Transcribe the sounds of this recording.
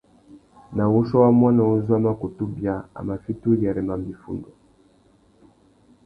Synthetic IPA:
na˨wu˦ʃɔ˦wa˦mwa˦na˨o˦zwa˦ma˦ku˨tu˦bja˨a̰˨ma˨fi˦tu˦lja˨ɾɛ˨ma˨mbi˨fṵ˦˨ndɔ˨

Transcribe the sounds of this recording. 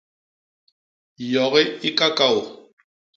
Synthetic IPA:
jɔ˨ɣɛ˦ɪ˦kʼa˦kʼa˦ʊ˨

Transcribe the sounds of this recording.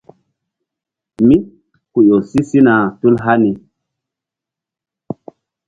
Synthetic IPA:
mi˦ | ku˨jo˨si˦si˦na˨tu˦lɦa˦ni˨

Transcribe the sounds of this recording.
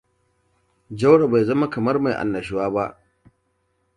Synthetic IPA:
d͡ʒa˦wɽa˨ba˨jzɐ˦ma˦kɐ˨mɐ˦rma˨jʔa̰˨nːɐ˨ʃ̬ɪ˦waː˦ba˦ʔ

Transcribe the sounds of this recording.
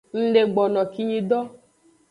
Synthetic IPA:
n̩˦le˨ɡ͡bɔ˨nɔ̃˨ki˦ɲĩ˧dɔ˦

